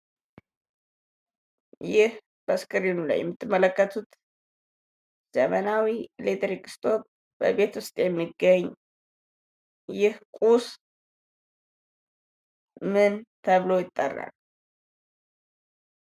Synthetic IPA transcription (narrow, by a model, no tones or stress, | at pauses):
jɪh | b̥əskʼəɾinula̰jɛ̰mːɨt̪ʰːɨmːələkːət̪ʰut̪ | z̥əmənawilet̪əɾikʼɨ̥st̪ʰʼo̞t̪̚ | b̥ə̰βe̞t̪wʊst̪ʼjɛmːiɡəɲː | jɪhkʼus | mɨnt̪ʰəβlo̞jɪt̪ʼːərːa̰l